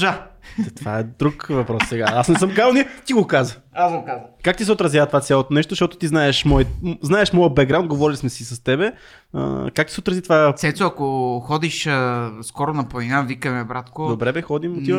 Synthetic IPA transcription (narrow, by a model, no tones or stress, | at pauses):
ʒaɛt̪vaɛd̪ɾukvɐpɾɔssɛɡaasnɛsəmkazəlˠnit̪iɡokazə | asɡokazəkak̚t̪is̬ɛot̪ɾɐzjavət̪ovat̪sjalˠot̪onɛʃt̪ozəʃt̪ɔt̪ot̪iznaɛʃmɔjznaɛʃmɔjəbɛɡɾawnɡovɔɾilʲismɛsisɐst̪ɛbɛ | ə̰kak̚t̪i̥sɛot̪ɾɐzit̪ovasɛsoɐkoxɔd̪iʃəskɔɾonɐpolinavikəmɛbɾat̪kod̪obɾɛbɛxɔd̪imot̪i